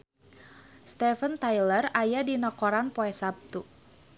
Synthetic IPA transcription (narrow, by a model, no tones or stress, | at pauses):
st̪ɛfənt̪ajlərajadinɔkɔɾanpɔɛsap̚t̪u